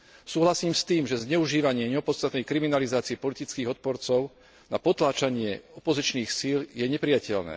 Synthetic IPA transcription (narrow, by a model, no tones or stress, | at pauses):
suːɦlasiːmst̪iːmʒɛzɲɛuʒiːʋaɲɪɛɲɛɔpɔt̪st̪at̪nɛjkɾiminalizaːt͡siɛpɔlit̪it͡skiːɣɔt̪̚pɔɾt͡sɔʊ | napɔt̪laːt͡ʃaɲɪɛɔpɔzit͡ʃniːxsiːljɛɲɛpɾɪjacɛʎnɛ̰ː